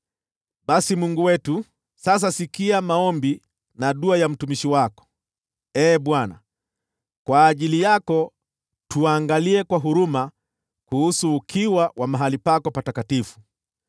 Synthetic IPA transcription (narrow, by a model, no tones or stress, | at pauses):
ɓasimuŋɡuwɛtu | sas̬asikiamaɔmbi | naɗuajam̩tumiʃiwakɔ̥ | ɛːɓwana̰ | kwaːʄilijakɔ | tuaːŋɡaliɛkwaɦuɾuma | kuhusuːkʰiwawʔamaɦalipakɔpatakatifu̥